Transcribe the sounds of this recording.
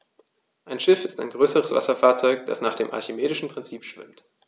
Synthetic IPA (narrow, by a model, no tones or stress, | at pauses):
ʔaɪnʃɪfɪstaɪnɡʁøːsəʁəsv̥a̰sɐfaːɐt͡sɔʏkd̥a̰snaːχd̥eːmʔa̰ɐçimeːdɪʃn̩pʁ̥ɪnt͡siːpʃv̥ɪ̰mt